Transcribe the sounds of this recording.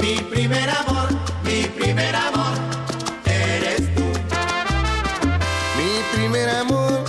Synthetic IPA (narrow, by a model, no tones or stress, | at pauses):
mipɾimeɾamoɾ | mipɾimeɾamoɾ | eɾest̪u | mipɾimeɾamoɾ